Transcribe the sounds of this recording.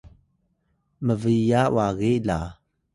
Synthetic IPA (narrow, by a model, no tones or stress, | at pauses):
məvijaw̰aɣiʔla